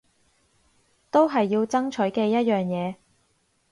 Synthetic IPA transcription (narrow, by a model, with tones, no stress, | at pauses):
t̪o˥wɦɐ˨jːiː˧wt͡sɐ˥ŋt͡ʃʰɵ˨˥ɥkɛː˧jɐ˥t̚jœː˨˩ŋjɛː˨˧